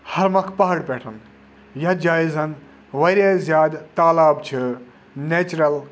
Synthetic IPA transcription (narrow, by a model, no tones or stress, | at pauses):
hɐɾmɐkʰpɐɦɐɽpeːʈʰɐn | jɐd͡ʒaːizɐn | ʋɐɾezjaːd̪t̪aːlaːbt͡ʃʰi | neːt͡ʃɾɐl